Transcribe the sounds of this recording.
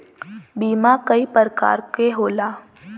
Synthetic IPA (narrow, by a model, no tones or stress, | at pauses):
biːmakəipəɾka̰ːɾkeɦoːlaː